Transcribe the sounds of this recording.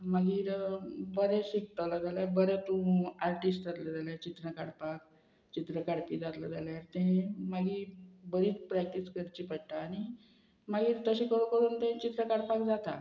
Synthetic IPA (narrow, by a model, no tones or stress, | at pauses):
maɡiːɾbəɾeɕik̚t̪alad͡zaljabəɾɛt̪ũaɾʈisʈd͡zat̪lad͡zaljat͡ɕit̪ɾəkaɽpak̚ | t͡ɕit̪ɾəkaɽpid͡zat̪lad͡zaljaɾt̪ẽmaɡiːbəɾiːt͡spɾæk̚ʈiskəɾt͡ɕiːpəɽʈ̪aːɽ̃i | maɡiːɾt̪əɕikəɽũkəɾuːnt̪ẽt͡ɕit̪ɾəkaɽpakd͡zat̪a̰